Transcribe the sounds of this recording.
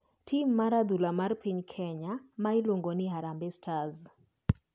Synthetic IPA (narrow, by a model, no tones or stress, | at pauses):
tʰimːaɾad̪ulamarpiɲkʰɛɲamaɪloŋɡonɪɦaɾambɪstʰaz